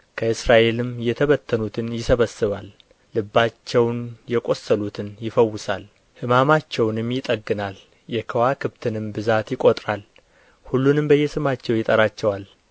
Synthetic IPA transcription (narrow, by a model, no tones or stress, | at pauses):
kʰəɨsɾaʔe̞lɨmjɛt̪ʰəβət̪ʰːənut̪ʰɨnjɪsəβəsɨβalː | ɨbːat͡ʃːɛwnjɛkʼo̞sːəlut̪ʰɨnjɪfəwːʊsal | hɨmamat͡ʃːɛwnɨmjɪt̪ʼəɡːɨnal | jɛkʰəwakʰɨβt̪ʰɨnɨmbɨzat̪jɪkʼo̞t̪ʼɾal | hulːunɨmbəjːɛsɨmat͡ʃːɛwjɪt̪ʼəɾat͡ʃːɛwal